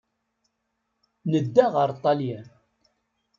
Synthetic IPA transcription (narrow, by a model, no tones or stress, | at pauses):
nəd̪ːaʁəɾˤt̪ˤːɑljæ